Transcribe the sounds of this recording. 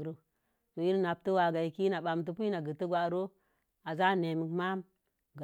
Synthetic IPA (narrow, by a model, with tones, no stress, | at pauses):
ɾo˦ | to˨ji˦ɾna˨p̚tə˦wa˨ɡa˨i˨ki˦na˨ɓa˨mt̬u˨p̬i˦na˨ɡə˨tə˦ɡʷa˨ɾo˦ | a˨za˦ne˨mi˨kma˦m | ɡ